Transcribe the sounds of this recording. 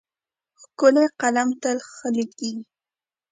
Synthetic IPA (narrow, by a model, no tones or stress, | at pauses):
hkʊleqɑlamt̪alxalɪki